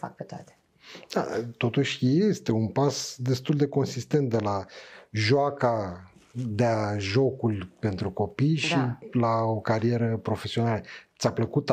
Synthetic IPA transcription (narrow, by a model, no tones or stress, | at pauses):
fa̰k̚pet̪oat̪e̥ | d̪̥a̰t̪o̞t̪uʃʲje̞st̪e̞unpasd̪e̞st̪uld̪e̞ko̞nsist̪e̞nt̪̚d̪e̞laʒoaka | d̪eaʒo̞kulʲpe̞nt̪ɾuko̞pijʃilao̞kaɾije̞ɾəpɾo̞fe̞sio̞nalət̪sʲapləkut̪